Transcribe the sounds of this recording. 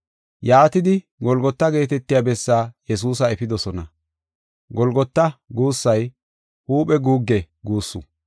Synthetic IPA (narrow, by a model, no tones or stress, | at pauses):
jaːt̪ɪd̪ɪ | ɡɔlɡɔt̪ːɐɡe̞ːt̪ɛt̪ːɪjaːbɛsːaːjɛs̬uːs̬ɐɛfɪd̪ɔsɔnɐ | ɡɔlɡɔt̪ːɐɡuːsːɐj | huːpʼɛɡuːɡːɛ | ɡuːsːu